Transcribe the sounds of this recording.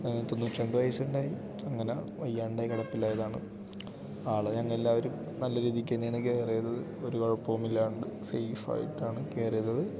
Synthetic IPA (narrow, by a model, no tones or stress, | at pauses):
t̪onːut͡ɕːeɳɖɨʋɐjsuɳɖaːji | ɐŋːɐneʋɐjːaːɳɖaːjikɐɽɐpːilaːjɐðaːɳɨ | aːɭeɲɐŋːɐɭelːaːʋɐɾum | nɐlːɐɾiːðikʲːɐnːejaːɳɨke̞ːrɐjɐðɐðɨ | o̞ɾubɐɻpːoːmilːaːuɳɖɨsḛjfa̰ːjḭʈːaːɳɨke̞ːrɐjɐðːɐðɨ